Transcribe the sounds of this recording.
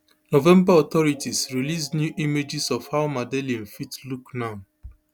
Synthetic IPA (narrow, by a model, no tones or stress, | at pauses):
nɔvɛ̃mbaɔt̪ɔɹitisɹilisnjuʔimed͡ʒisɔfhaʊmadeliãnfitluknaʊ